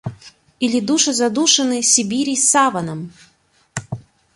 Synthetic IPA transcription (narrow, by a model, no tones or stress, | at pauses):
ilʲid̪uʂɨzad̪uʂɨnɨsʲibʲiɾʲijsavɐnɐm